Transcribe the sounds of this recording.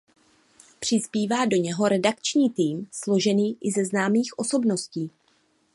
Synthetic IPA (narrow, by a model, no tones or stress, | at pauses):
pr̝̥ɪspiːvaːdo̞ɲɛɦo̞ɾɛdakt͡ʃɲiːt̪iːmslo̞ʒɛniːʔɪzɛznaːmiːxʔo̞so̞bno̞sciː